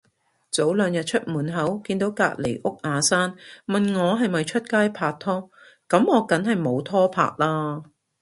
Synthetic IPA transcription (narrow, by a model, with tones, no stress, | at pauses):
t͡so˨˥wlœː˨˧ŋjɐ˨t̚t͡ʃʰɵ˥t̚muː˨˩nɦɐ˨˥wkiː˧nt̪o˨˥wka̰ː˧t̚le˨˩jʔʊ˥k̚ʔaː˨˧saː˥nmɐ˨nŋɔː˨˧ɦɐ˨jmɐ˨jt͡ʃʰɵ˥t̚kaː˥jpʰaː˧k̚t̪ʰɔː˥ | kɐ˨˧˥mŋɔː˨˧kɐ˨˥nɦɐ˨jmo˨˧wt̪ʰɔː˥pʰa̰ː˧k̚laː˥